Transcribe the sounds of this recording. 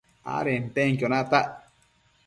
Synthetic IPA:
a̰ɾent̪eŋkjonat̪aʔ

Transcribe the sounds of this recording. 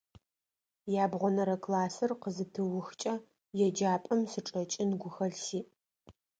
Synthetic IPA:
jaːbʁʷɔnɐɾɐkʰlaːsɨrqəzɨtʰɨwʊxt͡ʃʼɐ | jɛd͡ʒaːpʼɐmsɨʈ͡ʂʼɐt͡ʃʼɪnɡʷʊxɐɮsiː

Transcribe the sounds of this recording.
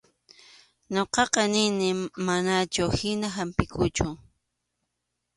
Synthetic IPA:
ɲoqɑqɑnɪnɪmanat͡ʃʊhɪnaɦampɪkʰʊt͡ʃʊ

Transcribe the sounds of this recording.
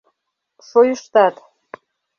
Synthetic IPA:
ʃojəʃt̪ɑt̪

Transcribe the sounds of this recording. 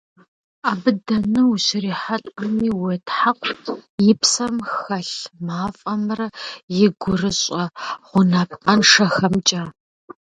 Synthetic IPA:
aːbɨdɐnɨuɕɪriːħaɬʼɐmiːwetʰħaqʷʰjɪpʰsɐmxɐɬmaːfʼɐmrɐjɪɡʷʊrɨɕʼɐʁʷʊnaːpqɐnʂɐxɐmt͡ʃʼaː

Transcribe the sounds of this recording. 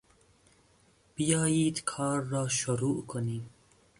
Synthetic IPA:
b̥ijɑːjiːd̪kʰɑːɾːɑːʃʊɾuːʔkʰʊniː

